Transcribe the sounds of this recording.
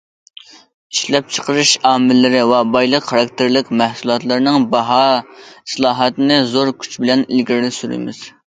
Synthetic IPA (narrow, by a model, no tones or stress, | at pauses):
iʃlɛp̚t͡ʃʰə̥qəɾɨʃɑːmɪlːɪɾɪwɛbɑjlˠəqχɑɾɑk̚ʲt̪ʰɪɾlɪkʲmæhsulˠɑt̪lˠɨɾɨnɨŋbɑɦɑi̥slˠɑːɦɑt̪ɨnɨzoɾkʲʰy̥t͡ʃbɪlɛnḭlɡʲiɾlɪsyɾɪ̰mɪ̰z̥